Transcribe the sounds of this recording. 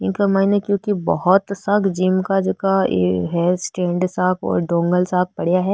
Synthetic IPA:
ɪ̃nkɐmaːnekjõːkibɐ̰ɦɔt̪sɐkʰd͡ʒiːmkad͡ʒoːkaḛɦɛsʈẽːɳɖsaːkɔ̰ːɾɖõːŋɡəlsaːk̚pɐɽ̤jaɦɛː

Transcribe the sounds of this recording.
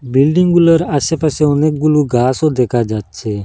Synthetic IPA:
bilɖiŋɡɡuləɾasepaseɔneːk̚ɡuluɡʱaːsod̪ekʰad͡ʒaːt̪̚t͡ʃʰe

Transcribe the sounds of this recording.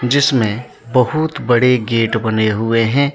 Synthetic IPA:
d͡ʒɪsmẽ | bɐɦʊt̪bɐɽeɡeːʈbɐneɦʊeɦɛ̃ː

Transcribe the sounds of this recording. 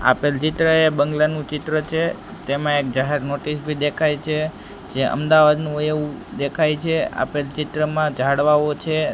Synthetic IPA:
a̰pelt͡ʃɪt̪ɾəebəŋɡlanũt͡ʃɪt̪ɾət͡ʃʰe | t̪emãek̚d͡ʒaɦeɾnoʈisbʱid̪ekʰajt͡ʃʰe | d͡ʒeʔə̰md̪aʋad̪nũeũd̪ekʰajt͡ʃʰea̰pelt͡ʃɪt̪ɾəmãd͡ʒʱaɽʋaot͡ʃʰe

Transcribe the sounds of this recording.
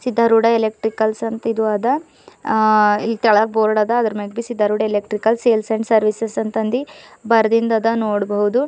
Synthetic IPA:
sid̪ʱːaɾuɖɐelek̚ʈɾikɐlsɐnt̪id̪uɐd̪ɐ | ilːt̪ɐɭɐboːɾɽɐd̪ɐːd̪ɐɾɐmeɡ̚bisid̪ʱːɐɾuːɖɐelek̚ʈɾikɐlseːlsɐɳɖsɐɾʋisesɐnt̪ɐnd̪ibɐɾɐd̪ind̪ɐd̪ɐnoːɽbɐɦud̪u

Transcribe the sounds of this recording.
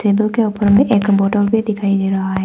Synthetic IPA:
seːbəlkeʊpəɾmẽʔeːkbɔːʈəlbʱid̪ɪkʰaːid̪eːɾɐɦaɦɛ

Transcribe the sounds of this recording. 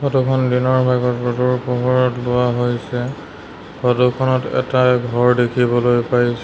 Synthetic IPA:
ɡɔdukʰɔndinɔɹbʱaɡɔtboduɹpoɦuɹɔtlʊaɦojsɛ | kɔdukʰɔnɔtɛ̰taɡʱɔɹdekʰibɔlojpaɹisɛ

